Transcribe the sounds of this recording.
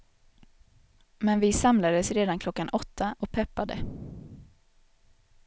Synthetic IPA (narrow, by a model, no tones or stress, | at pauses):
mɛnvɪsamlad̪əsɾeːd̪ankʰlɔkːanʔɔt̪ʰːaʔɔk̚pʰɛpːad̪ə̰